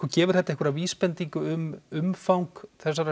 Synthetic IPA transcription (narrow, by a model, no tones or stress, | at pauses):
kʏɾcɛːvʏɾ̥θɛht̪aɛhkvʏɾaviːspɛnt̪iŋkʏʏmʏmfawŋkθɛsːaɾa